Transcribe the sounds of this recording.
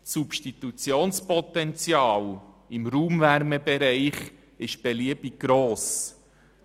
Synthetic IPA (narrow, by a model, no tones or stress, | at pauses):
supʃtit̪ut͡sjoːnspɔt̪ɛnt͡sjɑːl | ɪmɾuːmvæɾmɛbɛɾɛɪχ | ɪʃb̥ɛliəb̥iɡ̚ɡ̥ɾoːs